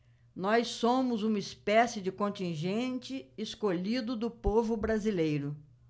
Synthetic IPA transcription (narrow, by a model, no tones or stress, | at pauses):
nɔjsõmʊzũmɐɪspɛsɪd͡ʒɪkõnt͡ʃĩʒẽnt͡ʃɪɪskoʎid̪ʊd̪ʊpovʊbɾazilejɾʊ